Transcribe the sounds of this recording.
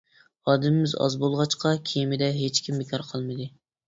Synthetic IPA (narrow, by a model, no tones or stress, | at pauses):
ɑːd̪ɪmɪmɪzɑ̰zbolˠʁɑt͡ʃqʰɑkʲʰejmɪd̪ɛɦet͡ʃkʲimːekʰɑɾqʰɑlˠmɨd̪ɨ